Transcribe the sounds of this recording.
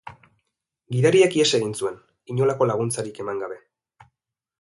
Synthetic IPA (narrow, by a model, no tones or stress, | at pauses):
ɡiðaɾiekiese̞ɣinsue̞n | iɲo̞lako̞laɣ̞unt͡saɾike̞maŋɡaβe̞